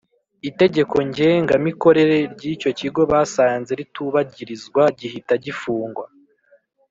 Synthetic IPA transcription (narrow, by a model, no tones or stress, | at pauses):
ite̞ɟe̞ko̞ɲɟe̞ːŋɡamiko̞ɾe̞ɾe̞ɾɟiːco̞ciɡo̞βaːsaːnze̞ɾituβaɟiɾizɡwaɟihitaɟifuːŋɡwa